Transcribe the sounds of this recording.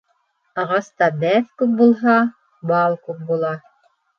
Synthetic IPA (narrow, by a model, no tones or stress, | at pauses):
ɑʁɑst̪ɑbæθkʉp̚bulˠɦɑ | bɑlˠkʉp̚bulˠɑ